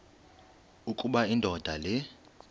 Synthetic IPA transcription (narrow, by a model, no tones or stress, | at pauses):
ukʼuɓaindʱɔd̥ʱalɛ